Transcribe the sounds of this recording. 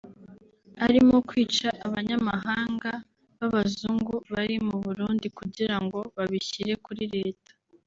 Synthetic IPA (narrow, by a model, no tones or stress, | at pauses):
aɾimokwiːt͡ʃaʔːβaɲamaɦaːŋɡa | βaβazuŋɡuβaɾimuβuɾuːndikuɟiɾaŋɡo̞βaβiçiɾe̞kuɾiɾe̞ːtḁ